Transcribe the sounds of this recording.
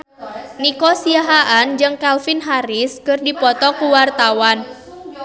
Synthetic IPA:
nikɔsiaɦaʔand͡ʒɨŋkalfɪnɦaɾɪskɨrdipɔt̪ɔkuwart̪awan

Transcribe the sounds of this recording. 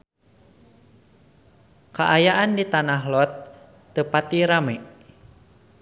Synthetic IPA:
kaʔajaʔandit̪anaɦlɔt̪ː | əpat̪iɾamɛʔ

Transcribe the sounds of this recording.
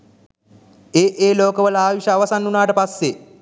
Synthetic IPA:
eːʔeːloːkəʋəlaːʋiʃɐːʋɐsanːunaːʈəpasːe

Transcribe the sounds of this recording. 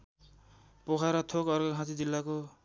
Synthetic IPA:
pokʰaɾʌt̪ʰokʌrɡʌɦãt̪id͡zilːako

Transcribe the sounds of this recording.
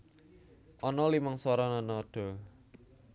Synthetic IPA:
ʔɔnɔlimɔŋsɔɾɔnɔnɔd̥ɔ̤

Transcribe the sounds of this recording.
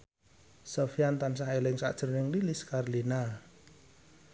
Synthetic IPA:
sofiant̪ansahelɪŋsa̰d̥ʒ̥ə̤rnɪŋliliskarlina

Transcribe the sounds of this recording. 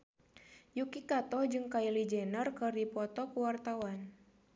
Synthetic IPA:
jukikat̪ɔhd͡ʒɨŋkailid͡ʒɛnərkɨrdipɔt̪ɔkuwart̪awan

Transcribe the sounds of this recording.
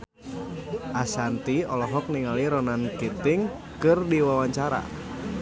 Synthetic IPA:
ʔasant̪iɔlɔɦɔk̚niŋaliɾɔnankit̪ɪŋ | kɨrdiwawaɲt͡ʃaɾa̰

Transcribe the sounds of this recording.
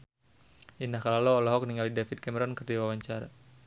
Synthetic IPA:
ʔindahkalalɔːlɔɦɔk̚niŋalidɛfid̪̚kɛmɛɾɔnkɨrdiwawaɲt͡ʃaɾa̰

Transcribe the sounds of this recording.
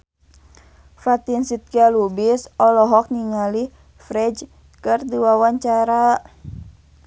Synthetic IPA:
fat̪insit̪̚kialubisɔlɔɦɔk̚niŋali | fɾɛd͡ʒ | kɨrdiwawaɲt͡ʃaɾa

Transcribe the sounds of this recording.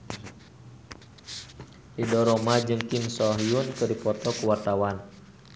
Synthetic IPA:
ʔidɔɾɔmad͡ʒɨŋkimsɔɦiunkɨrdipɔt̪ɔkuwart̪awan

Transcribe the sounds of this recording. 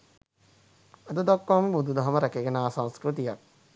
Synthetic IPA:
ɐd̪əd̪akːwaməbud̪ud̪ɐɦɐməɾɛkeɡenaːsãnskɾut̪̬ijak̚

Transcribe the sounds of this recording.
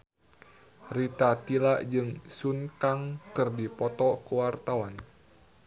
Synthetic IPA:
rit̪at̪ilaʔd͡ʒɨŋsunkaŋkɨrdipɔt̪ɔkuwart̪awan

